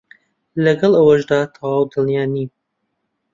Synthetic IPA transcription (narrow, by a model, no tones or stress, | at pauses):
lɐɡɐlˠɐwɐʒd̪aːt̪ʰɐwaːwd̪ɨljaːniː